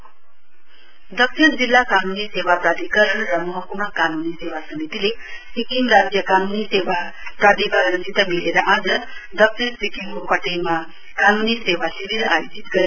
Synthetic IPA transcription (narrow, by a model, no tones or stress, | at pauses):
d̪ʌkʃʰind͡zilːakanuniseʋapɾad̪ʱikəɾʌnɾʌmʌɦʌkumakanunisewasʌmit̪ilesikiŋɾad͡zjʌkanunieʋa | pɾad̪ʱikəɾənd͡zit̪ʌmileɾʌʔãd͡zʌd̪ʌkʂʰinsikiŋkopʌʈelma | kanuniseʋasibiɾa̰jod͡zit̪ɡʌɾ